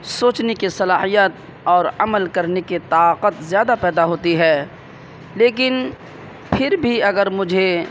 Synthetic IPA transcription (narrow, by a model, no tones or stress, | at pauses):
soːt͡ʃnekisɐlaːhijət̪̚ | ɔːɾɐ̰məlkɐɾneket̪aːqət̪zjaːd̪apɛːd̪aɦoːt̪iɦɛː | leːk̬ɪn | pʰɪɾbʱiɐɡəɾmʊd͡ʒʱe